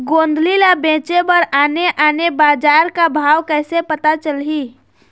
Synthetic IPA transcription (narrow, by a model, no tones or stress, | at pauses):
ɡoːnd̪ʱlilabẽːt͡ʃebəɾaːneʔaːnebaːd͡ʒaːɾkabʱaːwkɛːsepət̪at͡ʃəlɦi